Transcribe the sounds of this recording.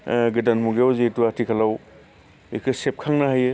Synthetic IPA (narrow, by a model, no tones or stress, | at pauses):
ɡɯdanmuɡewzetuatʰikʰalaw | ekʰɯsep̚kʰaŋnaɦajɯ